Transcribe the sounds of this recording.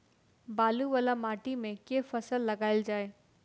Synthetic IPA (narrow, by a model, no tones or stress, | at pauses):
baːluʋəlamaːʈimẽkefɐsəlːɐɡaːɪld͡ʒaːeː